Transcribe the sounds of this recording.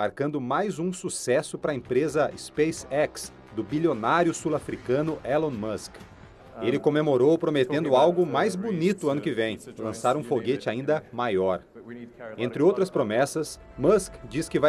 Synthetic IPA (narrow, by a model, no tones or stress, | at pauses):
aɾkɐ̃nd̪ʊmajzũsusɛsʊpɾɐẽpɾezɐɪspejsɛks | d̪ʊbilionaɾjʊsulafɾikɐ̃nʊʔɛlõmɐsk | elɪkõmemoɾowpɾomet̪ẽnd̪ʊawɡʊmajzbonit̪ʊɐ̃nʊkɪvẽj̃lɐ̃saɾũfoɡet͡ʃɪaĩnd̪ɐmajɔɾ | ẽnt̪ɾɪowt̪ɾɐspɾomɛsɐs | mɐskd͡ʒiskɪva